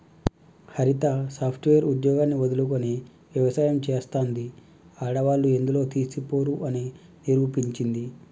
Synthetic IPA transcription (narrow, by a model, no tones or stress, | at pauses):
hɐɾit̪asaːpʰʈʋejɐɾud̪jɔːɡaːnːiʋod̪ɐlukoni | ʋjɐʋɐsaːjɐmt͡ʃeːst̪aːnd̪i | aːɽɐʋaːlːue̞nd̪ulo̞ːt̪iːsipoːɾuʔɐni | niɾuːpiɲt͡ʃind̪i